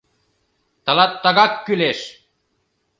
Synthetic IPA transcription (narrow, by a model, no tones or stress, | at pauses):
t̪ɑlɑt̪ːɑɣɑkːyleʃ